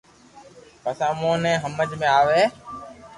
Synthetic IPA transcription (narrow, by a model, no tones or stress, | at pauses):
pəsãːmõːnɛ̃ːɦəməd͡ʒmẽːaːʋeː